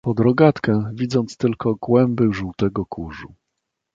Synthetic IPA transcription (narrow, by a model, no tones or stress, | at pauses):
pɔd̪ɾɔɡat̪kɛ̃vʲid̪zɔnt̪st̪ɘlkɔɡwɛmbɘʐuwt̪ɛɡɔkʰuʐu